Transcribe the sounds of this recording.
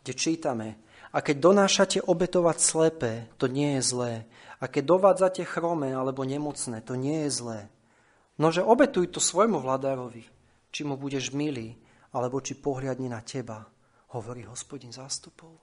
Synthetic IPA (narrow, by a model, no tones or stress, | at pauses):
ɡɟɛt͡ʃiːt̪amɛ | akɛɟ̚d̪ɔnaːʃacɛʔɔbɛt̪ɔʋacslɛpɛːt̪ɔɲɪɛjɛzlɛː | akɛɟ̚d̪ɔʋaːd͡zacɛxɾɔmɛalɛbɔɲɛmɔt͡snɛːt̪ɔɲɪɛjɛzlɛː | nɔʒɛʔɔbɛt̪ujt̪ɔsʋɔjmuʋlad̪aːɾɔʋi | t͡ʃimubuɟɛʒmiliː | alɛbɔt͡ʃipɔɦlɪad̪ɲɛnacɛba | hɔʋɔɾiːɦɔspɔɟinzaːst̪u̥pɔʊ